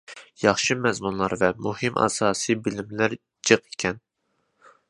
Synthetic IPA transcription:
jɑχʃɨmɛzmunlˠɑɾvɛmuhɨmʔɑ̰sɑːsɨjbɪlɪmlæɾ | d͡ʒɨqe̥kʲʰɛn

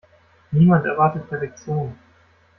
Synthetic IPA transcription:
niːmantɛ̰ɐvaɐtət̚pʰɛɐfɛk̚t͡sjoːn

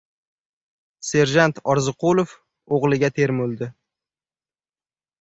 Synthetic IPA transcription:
se̞ɾʒant̪ɒɾzɪqolˠof | oʁlˠɪɡʲat̪ʰe̞ɾmolˠd̪ɪ

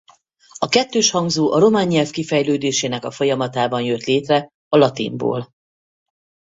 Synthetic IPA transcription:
ɒkɛt̪ːøːʃhɒŋɡzoːʔɒɾo̞maːɲːɛlfkifɛjløːd̪eːʃeːnɛkɒfo̞jɒmɒt̪aːbɒnjøt̪leːt̪rɛ | ɒlɒt̪ḭmbo̰ːl

